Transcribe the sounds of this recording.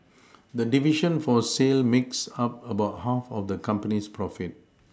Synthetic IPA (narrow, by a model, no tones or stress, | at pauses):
dədiviʃə̃nfɔselmiksap̚əbaʊt̚hafɔfdəkʰãmpənispʰɹɔfit̚